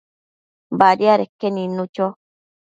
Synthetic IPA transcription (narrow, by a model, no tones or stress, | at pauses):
baɾiaɾekːenĩnːũt͡ʃo